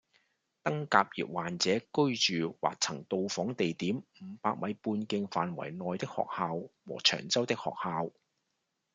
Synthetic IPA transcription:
t̪ɐ˥ŋkaː˧p̚jḭː˨p̚waː˨˩nt͡sɛː˨˥kɵ˥ɥt͡ʃyː˨wa̰ː˨k̚t͡sʰɐ˨˩ŋt̪o˧wfɔː˨˥ŋt̪e˨jt̪iː˨˥mm̩˨˧paː˧k̚mɐ˨˥jpuː˧nkɪ˧ŋfaː˨nwɐ̰˨˩jnɔː˨jt̪ɪ˥k̚hɔ̰ː˨k̚haː˨˧wwɔ̰ː˨˩t͡ʃʰœ̰ː˨˩ŋt͡sɐ˥wt̪ɪ˥k̚hɔ̰ː˨k̚haː˧w

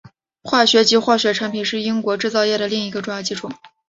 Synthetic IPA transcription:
xwa˥˩ɕɥɛ˧˥t͡ɕi˧˥xwa˥˩ɕɥɛ˧˥ʈ͡ʂʰa˧˥ŋpʰi˨˩nʂɻ̩˥˩i˥ŋkwɔ˧˥ʈ͡ʂɻ̩˥˧t͡sɑ˥˧ʊjɛ˥˩ɾə˩li˥˩ŋi˧˥ɡə˧ʈ͡ʂʊ˥˧jɑ˥˩ʊt͡ɕi˧˥ʈ͡ʂʰu˥˩

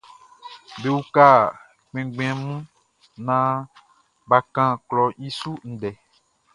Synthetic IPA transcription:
be˨u˦ka˦˨ | k͡pɛ̃˨ɡ͡bẽ˦ɛ̃˦˨mũ˦ | nã˦ | ba˨kã˦klɔ˨i˦su˦n̩˨dɛ˨

